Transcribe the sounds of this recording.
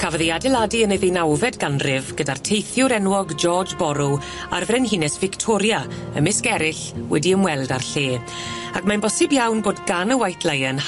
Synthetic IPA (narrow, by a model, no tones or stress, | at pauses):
kʰavəðejadɛlˠadiənəðejnawvɛdɡanrɪvɡ̥ədartʰejθjʊɾɛnwɔɡd͡ʒɔːd͡ʒbɔɾʊ | a̰rvrɛnɦinɛsv̥ɪktʰɔɾjaə̰mɪskɛɾɪɬwɛdiəmwɛlˠdarɬeː | akmanbɔsɨbjawnboːdɡanəwajtʰlˠajən